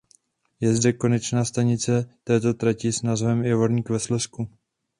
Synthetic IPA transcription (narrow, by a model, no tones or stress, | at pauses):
jɛzdɛko̞nɛt͡ʃnaːst̪aɲɪt͡sɛt̪ɛːt̪o̞t̪ɾacɪsnazvɛmjɛvoɾɲikvɛslɛsku